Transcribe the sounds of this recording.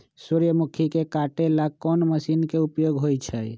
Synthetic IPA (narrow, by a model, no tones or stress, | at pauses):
suɾjəmukʰikekaʈelakɔnməsinkeupjoɡɦojt͡ʃʰəj